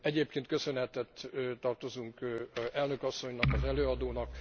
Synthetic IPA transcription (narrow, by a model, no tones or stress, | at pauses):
ɛɟeːp̚keːnt̪kø̞sø̞nɦɛt̪ɛt̪ːt̪ɒrt̪o̞zuŋkɛlnøkɒsːo̞ɲnɒkɒzɛløːɒd̪oːnɒk